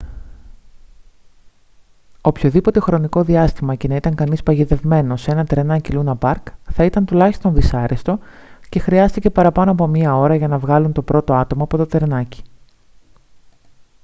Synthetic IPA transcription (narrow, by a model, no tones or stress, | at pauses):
opço̞ðipo̞t̪e̞xɾo̞niko̞ðiɐst̪imɐce̞nɐit̪ɐŋkɐnispɐʝiðe̞vme̞no̞se̞nɐt̪ɾe̞nɐcilunɐpɐɾkθɐit̪ɐnt̪ulɐçist̪o̞nðisɐɾest̪o̞ce̞xɾiɐst̪ice̞pɐɾɐpɐno̞ɐp̬o̞miɐo̞ɾɐʝɐnɐvɣɐlunt̪o̞pɾo̞t̪o̞ɐt̪o̞mɐːpo̞t̪o̞t̪ɾe̞nɐci̥